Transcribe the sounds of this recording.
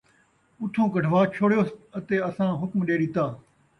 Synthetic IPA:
ʊt̪ʰõːkəɖʱʋaːt͡ʃʰoːɽjoːət̪eːɐsãːɦʊkmɗeːɾiːt̪aː

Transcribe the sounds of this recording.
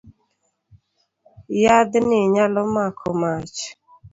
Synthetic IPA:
jad̪nɪɲalɔmakʰɔmat͡ʃ

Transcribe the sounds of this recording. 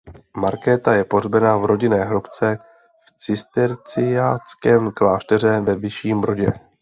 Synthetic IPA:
maɾkɛːt̪ajɛpo̞rbɛnavɾo̞ɟɪnɛːɦɾopt͡sɛ | ft͡sɪst̪ɛɾt͡sɪjat͡skɛːmklaːʃt̪ɛr̝ɛvɛvɪʃiːmɾo̞ɟɛ

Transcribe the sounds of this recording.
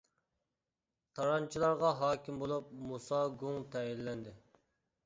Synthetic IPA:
t̪ʰɑɾɑnt͡ʃʰilˠɑɾʁɑɦɑːkʲʰimbolˠup̚musɑɡuŋt̪ʰɛjillɛnd̪ɪ

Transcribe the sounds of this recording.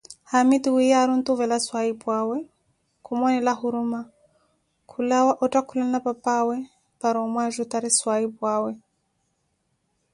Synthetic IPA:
hamid̪wijaɾunt̪uvɛlaswaibwawɛ | kʰumɔnɛlahuɾuma | kʰulawaʔɔtakulanapapawɛ | paɾɔmwaʒut̪aɾiswaibwawɛ

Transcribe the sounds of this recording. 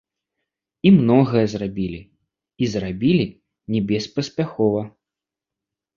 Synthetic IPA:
imnɔɣɐjɐzrabʲilʲi | izrabʲilʲi | nʲɛbʲɛspɐsʲpʲaxɔvɐ

